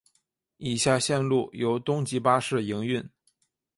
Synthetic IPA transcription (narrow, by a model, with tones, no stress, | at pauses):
i˨˩ɕja˥˧ɕjɛ˥˧nlu˥˩jo˧˥ʊt̪ʊ˥ŋt͡ɕi˧˥pa˥ʂɻ̩˥˩i˧˥ŋy˥˩n